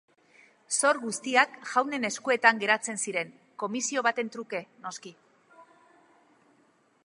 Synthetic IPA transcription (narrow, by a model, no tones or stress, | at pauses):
so̞ɾɣust̪iakʝawne̞ne̞skue̞t̪aŋɡe̞ɾat͡se̞nsiɾe̞ŋ | ko̞misio̞βat̪e̞nt̪ɾuke̞no̞ski